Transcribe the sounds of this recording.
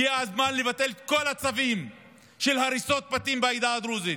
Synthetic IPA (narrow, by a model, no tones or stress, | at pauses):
iaazmanlevat̪e̞lko̞lat͡savim | ʃelɦaɾiso̞t̪̚pat̪imbeajd̪aːd̪ɾuzit